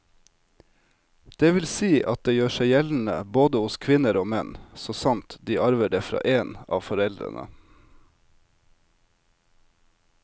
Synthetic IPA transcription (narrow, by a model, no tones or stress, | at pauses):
d̪̥eːʋɪlsiːʔɑt̪̚d̪eːjøːʃæɪjɛln̩ə̰boːd̪əʊskʰʋɪnəɾoːmɛnsoːsɑmt̪d̪iːʔɑɾʋəɖeːfɾɑ̰ːʔeːnɑ̰ːʋfɔɾɛld̪ɾə̰nʔə̰